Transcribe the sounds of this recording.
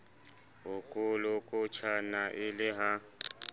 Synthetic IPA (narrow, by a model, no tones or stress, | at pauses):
ʊkʼʊlʊkʼʊt͡ʃʰanaʔɪlɪɦa